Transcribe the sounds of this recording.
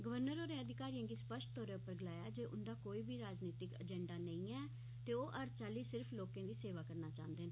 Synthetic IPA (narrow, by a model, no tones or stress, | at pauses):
ɡəʋəɾnəɾoːɾẽːəd̪ɪkaːɾijãːɡiːspəʃʈt̪oːɾeʊpəɾɡɪlaːjaːd͡ʒeːʔʊnd̪aːkoːiːbʱiːɾaːd͡ʒniːt̪ɪkə̰d͡ʒɛ̃ːɳɖaːnəĩːɛː | t̪eːoːʔəɾt͡ʃaːliːsɪɾfʰloːkẽːd̪iːseːʋaːkəɾnaːt͡ʃãːnd̪eːn